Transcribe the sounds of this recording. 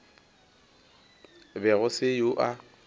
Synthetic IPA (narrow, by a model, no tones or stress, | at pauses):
bɛɣʊsɪjʊʔa